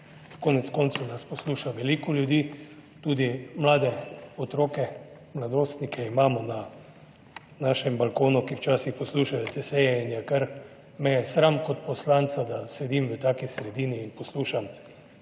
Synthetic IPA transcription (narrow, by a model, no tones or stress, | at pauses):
koːnɛt̪skɔːnt̪sunaspɔsluːʃaʋɛlikɔljud̪iːt̪uːd̪imlaːd̪ɛɔt̪ɾoːkɛ | mlad̪ɾoːst̪nikʰɛimaːmɔna | naːʃɛmbalkoːnukiwt͡ʃaːsixpɔsluːʃajɛt̪ɛsɛjɛinjakəɾ | mɛjɛsɾamkɔt̪pɔslant̪sad̪asɛd̪iːmʋət̪aːkisɾɛd̪iːniːnpɔsluːʃam